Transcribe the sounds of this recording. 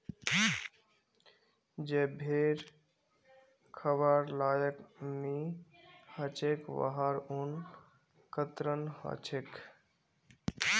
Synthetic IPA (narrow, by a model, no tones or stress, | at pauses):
d͡ʒebʱeɾ | kʰəβaɾlaːjəkmi | hət͡ʃʰekʋə̰ɦaɾun | kət̪ɾənɦə̰t͡ʃʰek